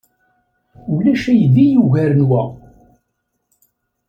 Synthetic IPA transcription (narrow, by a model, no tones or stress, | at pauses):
ulæʃæjðijuʝæɾənwæ